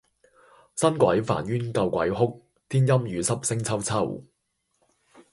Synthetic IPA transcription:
sɐ˥nkʷɐ̰˨˥jfa̰ː˨˩njyː˥nkɐ˧wkʷɐ̰˨˦jɦʊ˥k̚ | t̪ʰiː˥njɐ˥mjyː˨˧sɐ˥p̚sɪ˥ŋt͡sʰɐ˥wt͡sʰɐ˥w

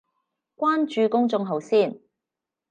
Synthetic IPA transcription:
kʷaː˥nt͡ʃyː˨˧kʊ˥ŋt͡sʊ˧ŋɦɐ˨˧wsiː˥˩n

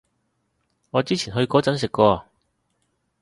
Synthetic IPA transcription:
ŋɔː˨˧t͡siː˥t͡sʰiː˨˩nɦɵ˧ɥkɔː˨˥t͡sɐ˨˥ns̬ɪ˨kːɔː˧

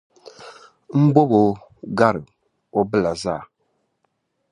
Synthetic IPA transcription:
m̩˦bo˦bo˨˦ | ɡa˦ɾɨ˨ | o˦bɨ˦la˨za˦˨

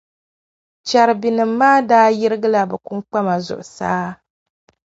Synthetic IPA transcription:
t͡ʃa˨ɾɨ˨bi˨nɨ˨m̩ː˦aː˦daː˦ji˦ɾɨ˦ɡɨ˦la˦bɛ˨ku˦ŋk͡pa˦ma˨zʊ̰˨ʔʊ˨saː˦

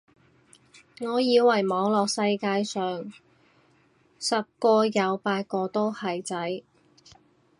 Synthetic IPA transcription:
ŋɔː˨˧jiː˨˧wwɐ˨˩jmɔː˨˧ŋlɔː˨k̚sɐ˧jkaː˧jsœː˨ŋ | sɐ˨p̚kɔː˧jɐ˨˧wpaː˧t̚kɔː˧t̪o˥whɐ˨jt͡sɐ˨˥j

